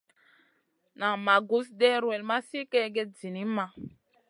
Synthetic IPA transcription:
na˨ma˨ɡu˦sdɛ˦ɾwɛ˨lma˦si˦kɛ˦ɡɛ˦d͡zi˨ni˨˦ma˨

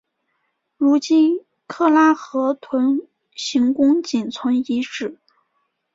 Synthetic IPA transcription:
ɻu˧˥t͡ɕi˥n | kʰɤ˥˩la˥xɤ˧˥t̪ʰwə˧˥n | ɕi˧˥ŋkʊ˥ŋt͡ɕi˨˩nt͡sʰwə˧˥ni˧˥ʈ͡ʂɻ̩˨˩˦

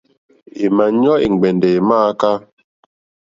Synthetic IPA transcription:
i˨ma˨ɲɔ˦i˨ŋ˨ɡ͡bɛ˨nde˨maː˦ka˦

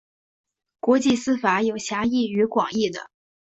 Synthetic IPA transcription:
kwɔ˧˥t͡ɕi˥˩sɹ̩˥fa˧˥jo˨˩ʊɕja˧˥i˥˩y˧˥kwɑ˨˩ŋi˥˩d̪ə̰˩

